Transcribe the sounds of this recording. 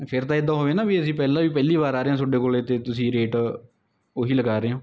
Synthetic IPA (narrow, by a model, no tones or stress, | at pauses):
pʰɪɾt̪aːɪd̪ːãːɦoːʋeːnaːbiːəsĩːpɛːlãːʋiːpɛːliːβaːɾaːɾeːãsʊɖeːkoːlet̪eːt̪ʊsĩːɾeːʈ | oɦiːləɡaːɾeːɦõː